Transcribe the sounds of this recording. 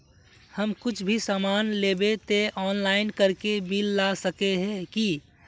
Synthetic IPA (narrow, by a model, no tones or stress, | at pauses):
həmkʊt͡ʃʰbʱisaːmaːnleːbet̪eʔɔːnlaːɪnkəɾkebilːasəkeɦɛ̃ki